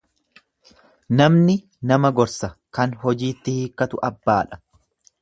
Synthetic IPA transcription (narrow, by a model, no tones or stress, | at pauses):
nɐmnɪ | nɐmɐɡɔɾsɐkɐnɦɔd͡ʒiːt̪ːɪhiːkːɐt̪ʊʔɐbːaːᶑɐ̥